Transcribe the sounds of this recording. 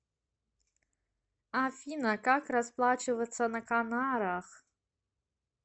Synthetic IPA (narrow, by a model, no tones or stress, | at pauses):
afʲinɐkakrasplˠat͡ʃɨvɐt̪sʰɐnɐkanaɾaχ